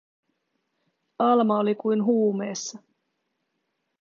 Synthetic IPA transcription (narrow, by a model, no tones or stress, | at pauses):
ɑlmɑolikujnɦuːme̞ːsːɑ